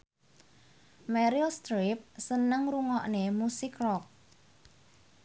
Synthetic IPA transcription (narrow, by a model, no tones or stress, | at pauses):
mɛɾilst̪ɾip̚sənəŋruŋɔʔnemusɪkrɔk̚